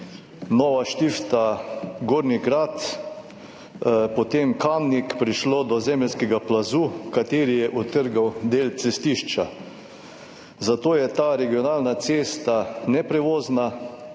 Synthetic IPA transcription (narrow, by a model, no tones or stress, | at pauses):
nɔːʋaʃt̪ift̪aɡoːɾniɡɾat̪ | pɔt̪emkamnikpɾiʃloːd̪ɔzɛmɛlskɛɡaplazuːkat̪eːɾijɛʔɔt̪əɾɡawd̪eːlt̪sɛst̪iʃt͡ʃa | zat̪oːjɛt̪aːɾɛɡiɔnaːlnat̪seːst̪anɛpɾɛʋoːzna